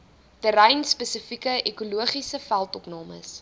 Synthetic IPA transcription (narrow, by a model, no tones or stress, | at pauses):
dəɾɛjnspəsəfikəʔekuluəχisəfælˠtɔpnɑːmə̰s